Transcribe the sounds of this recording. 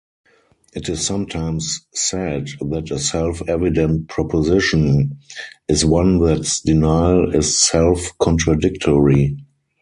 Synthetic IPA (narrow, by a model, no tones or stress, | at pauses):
ʔɪtɪsːãmtʰãɪ̃msːɛdðætəsɛlfɛvɪdə̃nt̚pʰɹɔpʰɔzɪʃə̃n | ɪswãnðætsdɪnaɪlɪsːɛlfkʰɔ̃ntɹadɪktʰɔɹi